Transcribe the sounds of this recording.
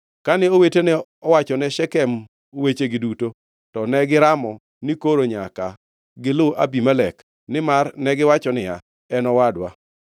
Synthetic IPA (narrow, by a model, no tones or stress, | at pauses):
kanɛowetenɛ | ɔwat͡ʃɔnɛʃɛkɛm | owet͡ʃeɡɪduto | tɔnɛɡɪɾamɔ | nɪkoɾoɲaka | ɡɪlʊʔa̰bimalɛk | nɪmarnɛɡɪwat͡ʃɔnɪja̰ | ɛnɔwadwa̰